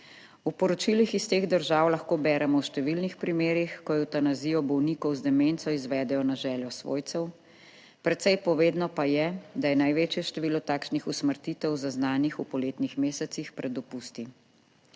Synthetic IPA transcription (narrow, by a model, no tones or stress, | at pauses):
upɔɾɔt͡ʃilixist̪eːɣd̪əɾʒaːwlaxkoːbɛːɾɛmɔwʃt̪ɛʋilnixpɾimeːɾixkɔjɛwt̪anaziːjɔbɔwniːkɔwzd̪ɛmeːnt̪sɔizʋɛːd̪ɛjɔnaʒɛːljɔsʋo̰ːjt̪ɛw | pɾɛt̪sɛjpɔʋeːd̪nɔpajɛd̪ajɛnajʋeːt͡ʃjɛʃt̪ɛʋiːlɔt̪aːkʃnixusməɾt̪it̪ɛwzaznaːnixupɔleːt̪nixmeːsɛt̪sixpɾʔɛd̪ɔpuːst̪i